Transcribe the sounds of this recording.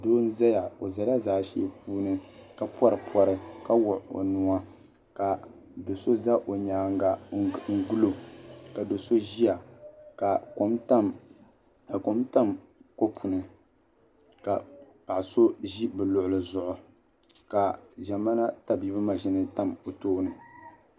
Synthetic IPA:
doː˦n̩˦za˦ja˨o˨za˨la˦zaː˦ʃi˦p̚uː˦nɨ˦ka˦pwɔ˦ɾɨ˨pʰɔ˨ɾɨ˦ka˦wʊ˨ʔo̰˨nʊ˨a˦ | ka˨ | do˨so˦za˦ʔo˨ɲaː˨ŋ˦ɡa˨ŋ̩˦˨ɡu˦lo˨ka˨do˨so˦ʒi˦ja˨ka˨ko˨˦mta˦m | a˨ko˨mta˦mko˦pʰu˨nɨ˨ | ka˨ | pa˨ʔso˦ʒi˦bɨ˨lʊ˨ʔʊ˨lɨ˨zʊ˨ʔʊ˨ | ka˨ʒa˨ma˦na˦ta˨bi˦bɨ˦ma˨ʒi˦nɨ˦ta˦mo˨toː˦nɨ˨

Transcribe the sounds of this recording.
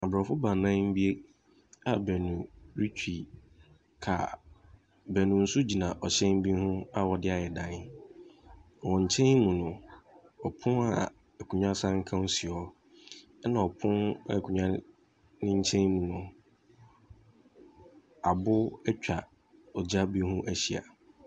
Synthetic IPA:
a˨bɾɔ˨fʊ˦ba˨nã˦n˦m̩˦bi˦e˦ | a˨bɛ˨nũ˨ɾi˦tʰᶣi˨ | kʰa̰˨ | bɛ˨nʊ̃˨n̩˦sʊ˦d͡ʑi˨nã˨ʔɔ˨ɕɛ̃˦n˦bĩ˦hʊ̃˦a˦wɔ˨dɪ˦a˨ɛ˨dã˨n˦ | wɔ̃˨ɲ̩˨t͡ɕʰɛ̃˦nmũ˨nʊ̃˨ | ɔ˨pʰʊ̃˦na̰˨ | ɛ˨kʰũ˨ɲᶣã˦sã˦ŋ̩˦kʰã˦n˦si˨ɔ˦ | ɛ˦nã˨ɔ˨pʰʊ̃˦na˦˨kʰu˨ɲᶣã˦ | nɪ̃˦ɲ̩˦t͡ɕʰɛ̃˦nmũ˨nʊ̃˨ | a˨bʊ˦ɛ˦t͡ɕᶣa˨ | ɔ˨d͡ʑa˦bi˦hũ˦ʔæ˦ɕi˨a̰˨

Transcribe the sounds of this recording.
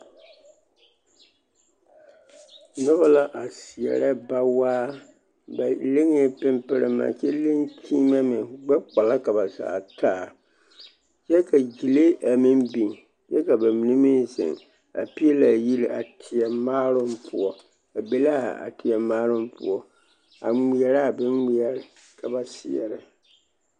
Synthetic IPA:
nʊ˦ba˦la˦ʔa˨si˨ɛ̰˨ɾa˦ba˦waː˦ | ba˨lɪ˦ŋɪ˦pɪ˦mpɪ˦ɾɪ˦ma̰˨t͡ʃɛ˦lɪ˦ŋkʰiː˦ma˦mɪ˨ɡ͡ba˦k͡pa˨la˦ka˨ba˨za̰ː˨taː˦˨ | t͡ʃɛ˦ka˨ɡi˨le˦ʔa˨mɪ˦mbi˨ŋ | t͡ʃɛ˦ka˨ba˨mɪ˨nɪ˦mɪ˦sɪ̰˨ŋ | a̰˨pi˦ɛ˦la˨ji˦lɪ˨ʔa̰˨tʰɪ˨ɛ˨maː˦ɾʊ˦m˦pʰʊ˦ɔ˦ | a˨be˦la˦˨a̰˨tɪ˨ɛ˨maː˦ɾʊ˦mpʊ̰˦ɔ˦ | a̰˨ŋi˨ɛ˨ɾa˦˨bɪ˦ŋŋi˨ɛ˨ɾɪ˨ | kʰa˨ba˨sɪ̰˨ɛ̰˨ɾɪ˨

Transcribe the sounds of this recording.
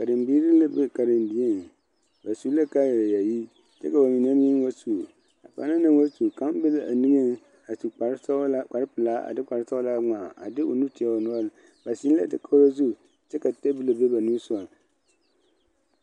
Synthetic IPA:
ka˨dɪ˨mbiː˦ɾi˦la˦be˦ka˨ɾɪ˨ndi˨e˦˨n˨ | ba˨su˦la˦ka˦ja˨ja˨ji˦ | t͡ʃɛ̰˦ka˨ba˨mi˨n˦a˦m˦ji˦n˦wa˦su˨ | a̰˨pa̰˨˦na˦nɨ˦ŋ˦wa˦su˨ka˦m˦bɪ˦la˨a˨nɪ˦ŋɨ˦n˦ | a˨su˨k͡pa˨ɾsa˦k͡pa˨ɾɪ˦pɨ˨laː˦ʔa̰˨dɪ˦k͡pa˨ɾsa˦ʊ˦la˦ŋ͡ma˨a̰˨dɪ˦ʔo̰˨nu˦ti˨a˨o˨nʊ˦a˦lɨ˨ | ba˨si˦n˦la̰˦tɪ̰˦kʰo˦ɾo˦zu˦˨ | t͡ʃɛ˦ka˨te˦bɨ˦la˨be˦ba˨nu˦sʊ˦a˨

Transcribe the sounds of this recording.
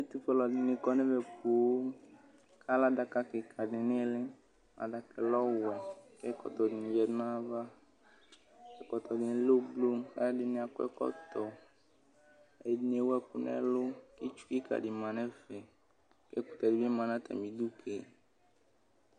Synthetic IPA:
e˦t̪u˦fɛ˦lɔ˨dɪ˨nɪ̃˨kɔ˦nɛ̃˦vɛ˨ko˨˦ | kʰa˦la˦da˨ka˦kɪ˨kʰa˨dɪ˨nɪ˦lɪ˦ | a̰˨da˨kɛ˨lɔ˦wɛ˨ke˦kɔ̰˨t̪ɔ˨dɪ˨nĩ˨vɛ˨dnã˦va˦ | ɛ˨kɔ˨t̪ɔ˨dɪ˨nɪ˦lo˦blo˦ɛ̰˦dɪ˨nɪ̃˨a˨kɔ˦ɛ̰˦kɔ̰˦t̪ɔ˨ | e˨˦dɪ˦ne˨˦wɛ˦ku˨nɛ̰˦lo˦ki˦t͡ʃu̥˦i˦ka̰˨dɪ˨mã˨nɛ̃˦fɛ˨ | kḛ˦kʊ̥˨t̪a˨dɪ˨˦be˦mã˨nã˦t̪a̰˨mĩ˨du˦kʰe˨

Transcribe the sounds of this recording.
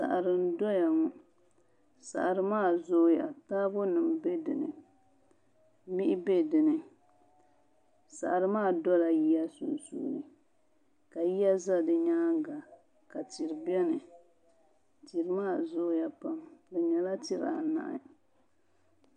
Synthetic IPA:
sa̰˨ʔa˨ɾɨ˨n˦dɔ˦ja˨ŋɔ˨ | sa̰˨ʔɾɨ˨maː˦˨zoː˦ja̰˨ta˦bo˦nɨ˨m˦be˦dɨ˨nɨ̰˨ | mi˦ʔɪ˦be˦dɨ˨nɨ˨ | sa̰˨ʔɾɨ˦maː˦˨dɔ˦la˨ji˦ja˦sṵ˨sṵː˦˨ɾɨ˨ | ka˨ji˦ja˦za˦dɨ˨ɲaː˦ɡa˨ | ka˨ti˨ɾbɛ˦nɨ˨ | ti˨ɾɨ˨˦maː˦˨zoː˦ja˨pa˦mdɨ˨ɲɛ˨la˦ti˦ɾa˨na̰˦ʔɪ̰˦

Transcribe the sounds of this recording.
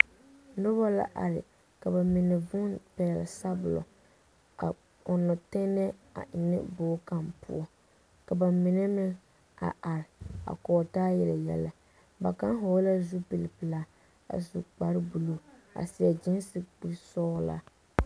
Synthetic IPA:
nʊ˦ba˦la̰˦ʔa̰˨ɾɪ̰˨ | ka˨ba˨mɪ˨nɛ˨vʊ˦npɛ˨lsa˦bʊ˨lɔ̰˨ | a˨ | ʊ˨nːɔ˨tɛ˦nɛ˦a̰˨ʔɪ˨nɪ̰˦boː˦ka˦mpʊ̰˦ɔ˦ | ka˨ba˨mɪ˨nɛ˦mɪ˦ | a̰˨ʔa˨ɾɪ˨a̰˨kɔː˨taː˦jɛ˨la˨jɛ̰˦la˦ | ba˨ka˦nɦɔ˨˦la˦zu˦pi˨lɪ˨pɨ˨la˦ | a̰˨zṵ˨k͡pa˨ɾɪ˦bu˨lo˦a̰˨si˨ɛ˨d͡ʒɪ˦n˦sɪ˨bi˨sɔː˦la̰˦

